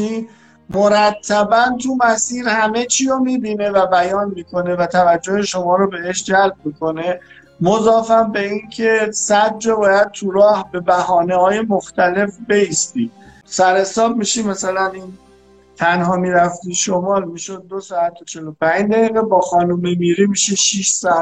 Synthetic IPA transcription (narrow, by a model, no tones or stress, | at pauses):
i | moɾæt̪ʰːæbænt̪ʰumæsiːɾhæme̞t͡ʃʰiːjomiːbiːne̞væbæjɒːnmiːkʰo̞ne̞væt̪ʰævæd͡ʒːoheʃo̞mɒːɾobe̞eʃd͡ʒælb̚miːkʰo̞ne̞ | mozɒːfænbe̞incʰe̞sæd̪̚d͡ʒobɒːjæd̪̥̚t̪ʰuɾɒːhbe̞bæɦɒːnehɒːje̞moxt̪ʰæle̞fbe̞iːst̪ḭ | sæɾhe̞sɒːb̚miʃimæsælæniːn | t̪ʰænɦɒːmiːɾæft̪iːʃomɒːlmiːʃod̪̚ːosɒːæt̪ʰot͡ʃʰe̞lopʰæɲd͡ʒd̪æɣiːɣebɒːxɒːnomemiɾimiʃiʃiʃsɒæt̪